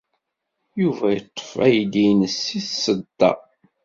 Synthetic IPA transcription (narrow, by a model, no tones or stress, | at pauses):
juvæjət̪ˤːə̥fæjd̪ijnəsːiθsəd̪ːɑ̰